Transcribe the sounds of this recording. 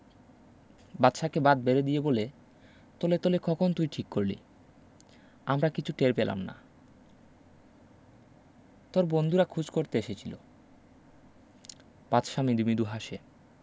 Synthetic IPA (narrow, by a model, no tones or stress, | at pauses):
bat̪ːʃakebad̪̚beɾed̪ijebole | t̪olet̪olekɔkʰont̪ujʈʰikːoɾlḭ | amɾakit͡ɕʰuʈeɾpela̰mna̰ | t̪oɾbond̪ʱuɾakʰud͡ʑkoɾt̪eeʃet͡ɕʰilo̰ | b̥atʃamid̪umid̪uɦaʃe